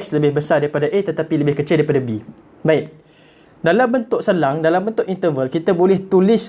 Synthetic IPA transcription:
ksləbɪhbəsadaɾipadaʔet̪ət̪apiləbɪhkət͡ʃɪldaɾipadabi | baɪk̚ | dalambənt̪ʊʔsəlaŋdalambənt̪ʊʔint̪əvəlkit̪abolɛht̪ulɪs

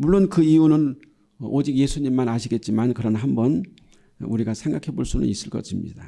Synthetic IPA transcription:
muɭːonkɯijunɯn | ʔod͡ʑik̚je̞sʰuɲimːanaɕʰiɡe̞t̚t͡ɕ͈imankɯɾʌnɦambʌn | uɾiɡasʰe̞ŋɡakʰe̞boɭs͈unɯ̰nis͈ɯɭk͈ʌ̰ɕʰimɲḭd̥a

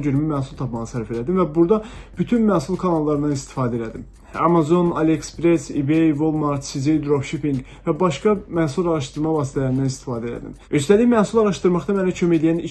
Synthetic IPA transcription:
ɟyɾymymæhsulˠt̪ʰɑpmɑʁɑsæɾfe̞læd̪imvæbuɾd̪ɑb̥yt̪ʰynmæhsulˠkʰɑnɑlˠːɑɾɯnɑnist̪i̥fɑːd̪e̞læd̪im | ɑ̰mɑzo̞nɑlekspɾesibejvolˠmɑɾt̪sizijd̪ɾofʃipiŋɡ | væbɑʃkɑmæhsulˠɑɾɑʃt̪ɯɾmɑvɑːsi̥t̪ʰælæɾind̪ænist̪i̥fɑːd̪æelæ̰d̪ḭmøst̪æliçmæhsulˠɑɾɑʃt̪ɯɾmɑχt̪ɑmænæcʰømæjlijæni

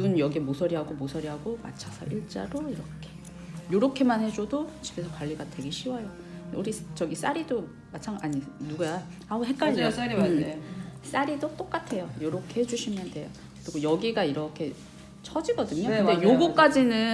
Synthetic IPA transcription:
bunjʌɡiemosʰʌɾiɦaɡomosʰʌɾiɦaɡoma̰t͡ɕʰasʰʌʔiɭt͡ɕ͈a̰ɾoiɾʌkʰe̞̥ | joɾʌkʰe̞manhe̞d͡ʑodot͡ɕibe̞sʰʌkwaʎːiɡadwe̞ɡeɕʰiwajo | duɾist͡ɕʌɡis͈aɾido | mat͡ɕʰaŋaɲinuɡaja | auɦe̞k͈ad͡ʑiiɯ | s͈aɾidot͈ok͈atʰe̞jojoɾʌkʰe̞he̞d͡ʑuɕʰimjʌndwe̞jo | kɯɾiɡojʌɡiɡaiɾʌkʰe̞ | t͡ɕʰʌd͡ʑiɡʌdɯɲokɯnde̞joɡuk͈ad͡ʑinɯ

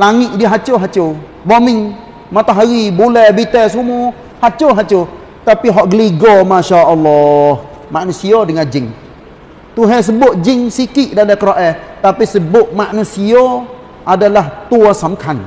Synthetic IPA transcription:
laŋɪʔdiəɦat͡ʃoɦat͡ʃo | bomɪŋ | mat̪aɦaɾibulɛhbit̪ɛs̬umu | hat͡ʃoɦat͡ʃo | t̪apiɦɔʔɡəliɡɔmaʃaʔɔlːɔh | maʔnusiodəŋand͡ʒɪŋ | t̪uɦɛs̬əbʊʔd͡ʒɪŋsikɪʔdalakəɾaʔɛht̪apisəbʊʔmaʔnusio | adalaht̪uasamkʰan

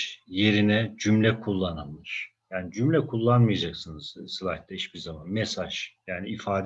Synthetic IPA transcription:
je̞ɾinɛd͡ʒymlʲɛkʰulˠːananmɯʃ | jaːnid͡ʒymlʲɛkʰulˠːanmɯjad͡ʒaksɯnɯz̥sɯlˠaht̪aiʃbiɾzamanmɛsaʒ̥jaːniifaːd̪

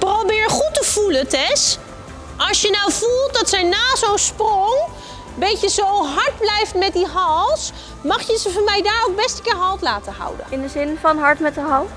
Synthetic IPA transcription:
prowbɪːɹχutəv̥ulətɛs | ɑlˠsjənawvulˠt̚dɑtsɛjnaːzownsprɔŋ | bejcəzowɦɑɹd̚blɛjftmɛt̚diɦɑlˠs | mɑχjəzəvɑnmɛjdaːɹowk̚bɛstə̥kɪːɹɦɑlˠtlaːtəɦʌ̰wdə̰nɪndəzɪnfɑnɦɑɹtmɛtəɦɑlˠt

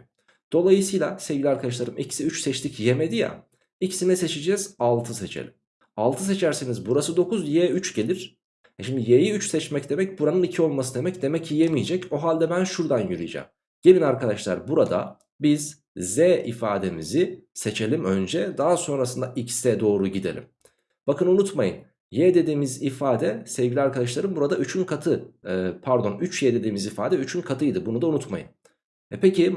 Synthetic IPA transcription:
d̪̥o̞lˠajɯsɯjlˠasevɟʲilʲiaɾkʰad̪aʃ̬lˠaɾɯmicʰi̥siyt͡ʃsɛt͡ʃt̪ʰicjemed̪ija̰ | icʰi̥sinɛse̞t͡ʃʰid͡ʒɛz̥alˠt̪ʰɯset͡ʃʰḛlʲim | alˠt̪ʰɯse̞t͡ʃʰæɾsenizbuɾasɯd̪o̞kuzjeːyt͡ʃɟe̞lʲiɾ̥ | ɛʃimd̪ijejiyt͡ʃsɛt͡ʃmɛcd̪e̞mɛcbuɾanɯnicʰio̞lˠmasɯd̪e̞mɛcd̪e̞mɛcʰːijemijed͡ʒɛco̞ɦalʲd̪ɛbænʃuɾd̪anjyɾy̰j̰d͡ʒa̰m | ɟebinaɾkad̪aʃlˠa̰ɾbuɾad̪a̰ | biz̥ː | ɛʔifaːd̪e̞miziset͡ʃʰe̞lʲimø̞nd͡ʒɛd̪aɦaso̞nɾasɯnd̪aʔicsɛd̪o̞ːɾuɟid̪elʲḭm | b̥akɯnunut̪majɯn | jɛd̪e̞d̪iːmizifaːd̪ɛsɛvɟilʲiaɾkʰad̪aʃlˠaɾɯmbuɾad̪ayt͡ʃʰynkʰat̪ʰɯpʰæɾd̪o̞nyt͡ʃjɛd̪e̞d̪iːmizifa̰ːd̪ɛyt͡ʃʰynkʰat̪ʰɯjd̪ɯbunud̪aunut̪ma̰jɯ̰n | ɛpʰeci

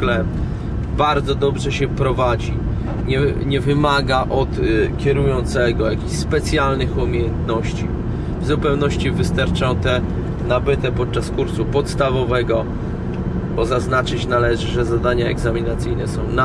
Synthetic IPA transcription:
klɛ | baɾd̪zɔd̪ɔbʐɛɕɛpɾɔvad͡ʑi | ɲɛɲɛvɘmaɡaʔɔt̪kʲɛɾujɔnt̪sɛɡɔjakʲiɕspɛt̪sʲjalnɘxumʲejɛnt̪nɔɕt͡ɕi | vzupɛwnɔɕt͡ɕivɘst̪aɾt͡ʂɔ̃w̃t̪ɛ | nabɘt̪ɛpɔt̪̚t͡ʂaskuɾsupɔt̪st̪avɔvɛɡɔ | b̥ɔzaznat͡ʂɘt͡ɕnalɛʐɘʐɛzad̪aɲaɛ̰ɡzamʲinat̪sɘjnɛsɔ̃w̃na

